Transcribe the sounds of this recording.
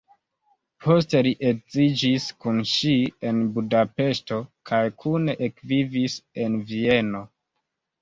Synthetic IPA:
pʰo̞ste̞liʔekzid͡ʒiskunʃie̞nbudape̞sto̞kʰajkʰune̞ʔekvivise̞nvie̞no̞

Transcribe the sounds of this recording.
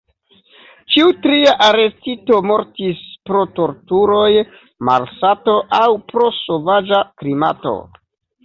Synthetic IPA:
t͡ʃiutɾiaʔaɾe̞stito̞mo̞ɾtispɾo̞to̞ɾtuɾo̞j | ma̰ɾsato̞ʔawpɾo̞so̞vad͡ʒakɾima̰to̞̰

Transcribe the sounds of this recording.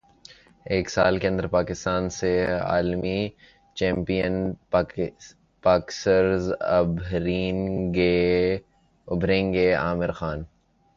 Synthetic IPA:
eːksaːlkeɐ̃nd̪əɾpaːkɪst̪aːnsea̰ːlmi | t͡ʃɛ̃ːmpijən | paːksəɾzɐbʱɾiːnɡe | ʊbʱɾẽːŋɡea̰ːmɪɾxaːn

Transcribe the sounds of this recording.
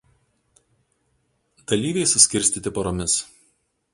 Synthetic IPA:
d̪̥ɐlʲiːʋʲɛɪsʊsʲkʲɪɾʲsʲt̪ʲiːt̪ʲɪpɐɾoːmʲɪs

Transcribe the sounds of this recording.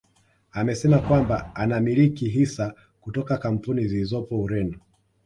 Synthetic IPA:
amɛsɛmakwamba̰anamilikiɦisa | kutɔkakam̩punizilizɔpɔuɾɛnu

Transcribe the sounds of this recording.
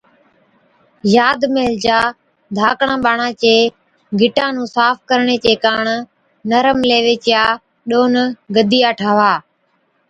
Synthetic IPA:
jaːd̪meːld͡ʒaː | d̪ʱaːkɳãːɓaːɳãːt͡ʃeː | ɡɪʈãːnũːsaːfʰkəɾɳeːt͡ʃeːkaːɳ | nəɾəmleːʋeːt͡ʃjaː | ɗoːnɡəd̪iːjaːʈʰaːʋaː

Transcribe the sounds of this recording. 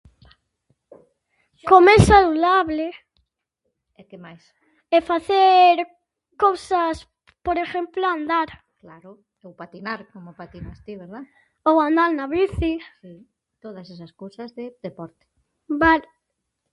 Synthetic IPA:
komesaluðaβle | ekemajs | efaθeɾ | kowsas | poɾexemploand̪aɾ | klaɾʊ | ewpat̪inaɾkomopat̪inast̪iβeɾða | owand̪aɾnaβiθisi | t̪oðɐsesɐskowsɐzðed̪epɔɾt̪e̥ | bal

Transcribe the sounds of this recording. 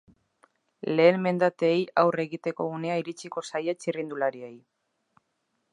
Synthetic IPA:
le̞ːnme̞nd̪at̪eːjawre̞ɣit̪e̞ko̞ɣune̞aiɾit͡ʃiko̞sajat͡ʃirind̪ulaɾiej

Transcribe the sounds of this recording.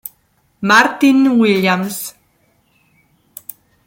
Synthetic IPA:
maɾt̪inwiʎams

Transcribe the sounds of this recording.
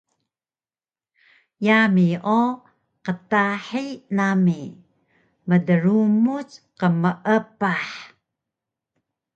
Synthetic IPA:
jamiʔo | qətaħinami | mədəɾumut͡sqəməʔəpaħ

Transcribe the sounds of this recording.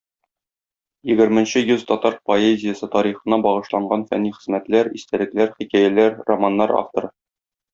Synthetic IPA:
jɘ̆ɡɘ̆ɾmɘ̆nɕɘjʉzt̪ɒt̪ɑɾpoezʲɪjəsɤt̪ɒɾiχɤ̆nɑbɒʁɤ̆ʃlˠɑɴɢɑnfæ̰nːiχɘ̆zmæt̪læɾist̪ælɘ̆klæɾχikæjælæɾromanːɑɾa̰ft̪o̰ɾɤ

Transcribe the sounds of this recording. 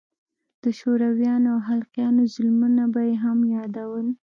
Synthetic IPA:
d̪̥əʃoɾawjɑnoawɦalqjɑnozʊlmunabajeɦamjɑd̪awəl

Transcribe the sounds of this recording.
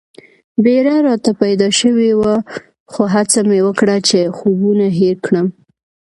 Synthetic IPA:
beɾaɾɑt̪apajd̪ɑʃəwewa | xoɦat͡samewəkɽat͡ʃexobunaɦeɾkɽəm

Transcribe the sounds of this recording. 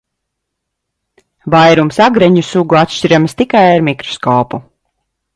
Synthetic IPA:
vajɾumsaɡɾɛɲusuɡuat̪ʃt͡ʃiɾamst̪ikajaɾmikɾɔ̥skɔːpu

